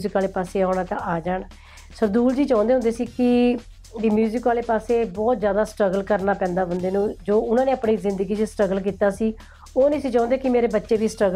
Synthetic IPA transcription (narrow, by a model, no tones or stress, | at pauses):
zɪkːaːleːpaːseːaːʊɽaːt̪ãʔaːd͡ʒaːɳ | səɾd̪uːld͡ʒiːt͡ʃãːʊ̃nd̪eɦʊ̃nd̪eːsiːkɪ | ʋiːmjuːzɪkʋaːleːpaːseːbɔːt̪zjaːd̪aːsʈɾəɡəlkəɾnaːpɛ̃ːnd̪aːbənd̪eːnũːd͡ʒoːʊnãːneːəpɳiːzɪ̃nd̪əɡiːd͡ʒsʈɾəɡəlk̬iːt̪aːsiː | oːneːsiːt͡ʃãːnd̪eːkɪmeːɾeːbətːʃeːʋiːsʈɾəɡ